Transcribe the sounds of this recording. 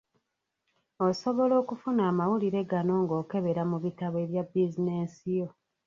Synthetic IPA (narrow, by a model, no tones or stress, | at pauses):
oso̞βo̞lo̞ːkufunaːmawuliɾe̞ɡano̞ːŋɡo̞ːke̞βe̞ɾamuβitaβe̞βjabːizine̞ːsijo̞